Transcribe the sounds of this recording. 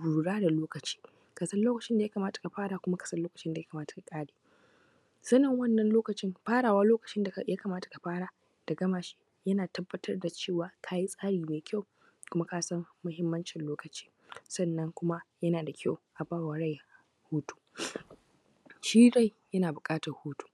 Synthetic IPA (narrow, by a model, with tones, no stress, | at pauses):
buː˨ɽaː˦da˨loː˦kɐ˨t͡ʃi̥ː˦ | ka˨sɐ˦nloː˦kɐ˨t͡ʃɪ˦nda˨jɐ˦kaː˨maː˦tḁ˨ka˨ɸaː˦ɽaː˨kʷʊ˦ma˦kɐ̥˨sɐ˦nloː˦kɐ̥˨t͡ʃɪ˦nda˨jɐ˦ka˨maː˦tḁ˨ka˨kʼaː˦ɽeː˨ | sɐ˦nɐ˦ŋwɐ˦˨nːɐ˨nloː˦kɐ˨t͡ʃɪ˦mɸaː˦ɽaː˨waː˦loː˦kɐ˨t͡ʃɪ˦nda˨ja˦kaː˨maː˦ta˨ka˨ɸaː˦ɽaː˨ | d̥a˨ɡɐ˦maː˨ʃi̥˦ | jɐ˦naː˨tɐ˦bːɐ˦tʰɐ˦rda˨t͡ʃeː˦˨waː˨kʰaː˦ji˦sʼaː˦ɽiː˨meː˨kʲʰa˦w | kʷʊ˦ma˦ka˦sɐ˦mːʊ˦ɦɪ˦mːɐ˦nt͡ʃɪ˨nloː˦kɐ˨t͡ʃiː˦ | sɐ˦nːɐ˦ŋkʷʊ˦ma˦jɐ˦naː˨da˨kʲʰa˦˨wʔa˨baː˦wa˨ɽa˦j | huː˦tu̥ː˦ | ʃiː˦ɽa˦˨j | jɐ˦naː˨bʊ˨kʼaː˦tɐ˨rhuː˦tu̥ː˦